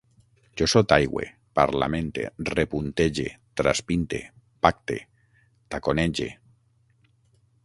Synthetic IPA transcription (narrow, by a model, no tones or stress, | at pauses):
d͡ʒosot̪ajɣwḛ | pa̰ɾla̰mẽnt̪ḛrepunt̪eʒḛt̪ɾa̰spint̪ḛ | pak̚t̪e | t̪akoned͡ʒḛ